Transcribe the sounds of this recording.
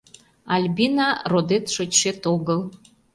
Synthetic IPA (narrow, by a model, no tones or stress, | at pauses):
ɑlʲbʲinɑrod̪et̪ʃot͡ɕʃet̪oɣəl